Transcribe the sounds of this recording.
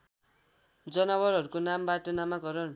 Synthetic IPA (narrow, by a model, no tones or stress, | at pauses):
d͡zʌnʌbʌɾɦʌɾukonambaʈʌnamaɡʌɾʌn